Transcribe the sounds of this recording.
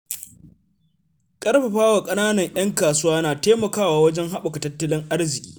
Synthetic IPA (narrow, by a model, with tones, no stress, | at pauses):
kʼɐ˦rɸa˨ɸaː˦waː˨kʼɐ˦naː˦nɐ˨ŋʔj̰ɐ˦ŋkaː˨sʊ˦waː˦naː˨teː˦mɐ˨kaː˦waː˨wɐ˦d͡ʒɛ˦ŋɦa˦ɓʊ˨ka˨tɐ˦tːɐ˦lɪ˦ŋʔa˦rzɪ˨kʲi̥̰ː˦